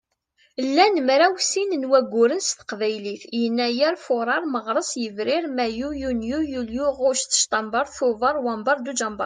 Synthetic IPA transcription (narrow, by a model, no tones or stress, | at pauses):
lːænəmɾæwsinənwæɡʷːʊɾənst̪ə̥qvæjliθjənːæjæɾfʊɾˤɑɾˤməʁɾˤəsjəvɾɪɾmæjujunjujuljuʁʊɾʃθə̥ʃt̪ˤɑmbɑɾˤθʊvɑɾˤwɑmbɑɾˤd̪ud͡ʒɑmbɑ̰ɾ